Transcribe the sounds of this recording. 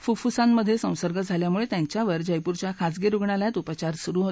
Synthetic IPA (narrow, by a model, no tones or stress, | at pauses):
fufusãmːəd̪ʱːjesə̃w̃səɾɡət̪̚d͡zʱaljamuɭet̪jaɲt͡ɕjaʋəɾd͡ʑəjpuɾt͡ɕjakʰat͡sɡiɾuɡɳaljat̪upət͡ɕaɾsuɾuːɦo